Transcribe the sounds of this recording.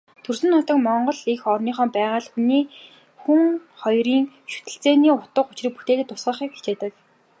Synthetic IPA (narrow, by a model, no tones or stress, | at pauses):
t̪ʰɵrsɘ̆nːʊt̪ə̆kmɔɴɢɞ̆ɮixɔrniːχɔːmpæːʁaːɮxuniː | xuŋχɔjriːŋ | ʃu̥t̪ɘ̆ɬt͡seːniːʊt̪ə̆qʊt͡ɕrĭːk̚put̪eːt̪ɘ̆t̪ːʊ̥sʁə̆χiːkxi̥t͡ɕeːt̪ə̆k